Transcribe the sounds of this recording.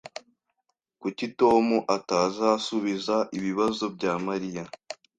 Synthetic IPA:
kucito̞muʔataːzasuβizaʔiβiβazo̞bɟaːmaɾija

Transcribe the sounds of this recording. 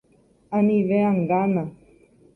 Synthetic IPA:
ãnĩʋeãŋɡanã

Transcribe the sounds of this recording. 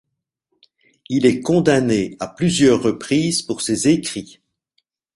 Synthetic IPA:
ilɛkɔ̃d̪aneaplyzjœʁːəpχiːzpuʁsezekχi

